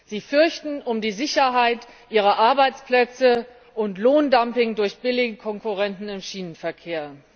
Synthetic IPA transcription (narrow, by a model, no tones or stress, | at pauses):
z̥iːfʏɐçtn̩ʊmdiːzɪçɐɦaɪtʔiːʁ̞ɐʔaɐbaɪt͡splɛt͡sə | ʔʊntloːndampɪŋdʊɐçb̥ɪlɪɡəkʰɔŋkuʁɛntn̩ɪmʃiːnənfɛɐkʰeːɐ